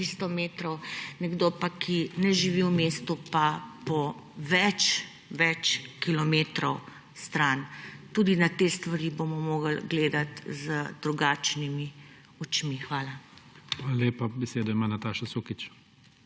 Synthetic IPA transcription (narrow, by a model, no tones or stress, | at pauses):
ist̪ɔmeːt̪ɾɔwnɛɡd̪opakʰinɛʒiʋiwmeːst̪upapɔ | ʋɛt͡ʃ | ʋɛt͡ʃkilɔmeːt̪ɾɔw | st̪ɾaːnt̪ud̪inat̪eːst̪ʋaɾibomɔmoːɡəlɡleːd̪at̪zəd̪ɾuɡaːt͡ʃnimi | ɔt͡ʃmixʋaːlaʋalaleːpabɛseːd̪ɔimaːnat̪aːʃasoːkit͡ʃ